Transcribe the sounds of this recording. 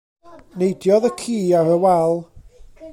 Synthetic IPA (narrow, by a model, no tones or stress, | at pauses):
nejdjɔðəkʰiːaɾəwɛlˠ